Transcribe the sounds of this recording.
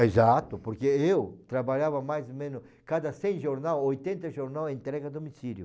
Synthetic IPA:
ezat̪ʊpoɾkeewt̪ɾabaʎavɐmajzmẽnʊ | kad̪ɐsẽj̃ʒoɾnawojt̪ẽnt̪ɐʒoɾnawẽnt̪ɾɛɡɐd̪omisiɾjʊ

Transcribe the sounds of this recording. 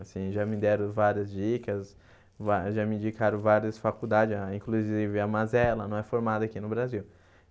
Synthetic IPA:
asĩʒamɪd̪ɛɾʊvaɾiɐzd͡ʒikɐs | vaʒamĩd͡ʒikaɾõvaɾiɐsfakud̪ad͡ʒɪzaĩkluzivɪamazɛlɐnɐ̃w̃ɛfoɾmad̪ɐakinʊbɾaziw

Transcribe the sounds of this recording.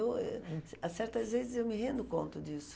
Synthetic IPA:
wɛasɛɾt̪ɐzvezɪzewmɪɦẽnd̪ʊkõ̰nt̪ɐd͡ʒisʊ̥

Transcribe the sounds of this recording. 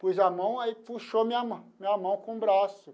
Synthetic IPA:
pojzamɐ̃w̃aifuʃomĩɲɐmɐ̃mĩɲɐmɐ̃w̃kõbɾasʊ

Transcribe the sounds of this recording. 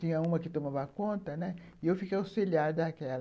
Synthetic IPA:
t̪ĩɲɐũmɐkɪt̪õmavɐkõnt̪ɐnɛɪewfikejawseʎad̪ɐakɛl

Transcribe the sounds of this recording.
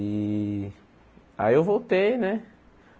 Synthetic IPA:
i | a̰iewvowt̪ejnɛ

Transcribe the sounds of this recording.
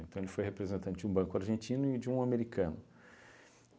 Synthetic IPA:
ẽnt̪ɐ̃w̃elɪfojhepɾezẽt̪ɐ̃nt͡ʃʊɪd͡ʒũbɐ̃kʊaɾʒẽnt͡ʃĩnʊɪd͡ʒɪũameɾikɐ̃nʊ

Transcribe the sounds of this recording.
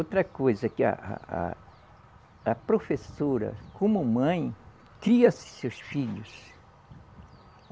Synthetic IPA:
ot̪ɾɐkojzɐkɪɐ̰ʔɐ̰ | ɐpɾofesoɾɐ̰kʰõmʊmɐ̃j̃ | kɾiɐsɪ̥sewsfiʎʊs

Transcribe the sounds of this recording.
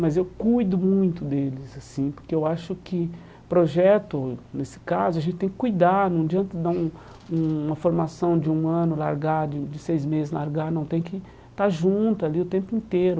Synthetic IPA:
mɐzewkujd̪ʊmũj̃t̪ʊd̪elɪzasĩpoɾkeewaʃʊkɪ | pɾoʒɛt̪ʊnesɪ̥kazʊaʒẽntt͡ʃɪt̪ẽj̃kɪ̥kujd̪anɐ̃w̃d͡ʒiɐ̃nt̪ʊd̪aũ | ũũmɐfoɾmasɐ̃w̃d͡ʒɪũɐ̃nʊla̰ɾɡad͡ʒɪd͡ʒɪsejzmezɪzlaɾɡaɾnɐ̃w̃t̪ẽj̃kɪ | t̪aɾʒũt̪ʊaliʊt̪ẽmpʊĩnt̪eɾʊ

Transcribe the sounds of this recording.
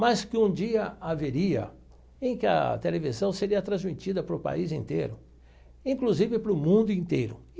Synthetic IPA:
maskɪũd͡ʒiɐaveɾiɐ̰ | ẽj̃kɪɐ̰t̪elevizɐ̃w̃seɾiɐt̪ɾɐ̃zmit͡ʃid̪ɐpɾʊpa̰izĩnt̪ejɾʊ | ĩŋkluzivɪpɾʊmũnd̪ʊĩnt̪ejɾʊ

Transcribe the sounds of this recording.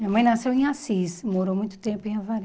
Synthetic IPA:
mĩɐmɐ̃j̃nasewẽasismoɾowmũj̃t̪ʊ̥t̪ẽmpʊẽavaɾ

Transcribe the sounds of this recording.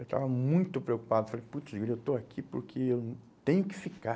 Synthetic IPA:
ewt̪a̰vɐmũj̃t̪ʊpɾeoku̥pad̪ʊfalejput̪d͡ʒɡiɾewt̪oakʰipʊɾkʰeewt̪ẽɲʊkɪ̥fika

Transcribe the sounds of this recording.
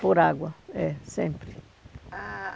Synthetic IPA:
poɾaɡwɐɛsẽmpɾi

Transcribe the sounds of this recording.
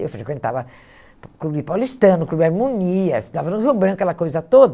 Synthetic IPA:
ḛwfɾekwẽnt̪a̰vɐ | klubipawlist̪ɐ̃nʊklubiaɾmõniɐsd̪avɐnũɦewbɾɐ̃nkɐkɛlɐkojzɐt̪od̪

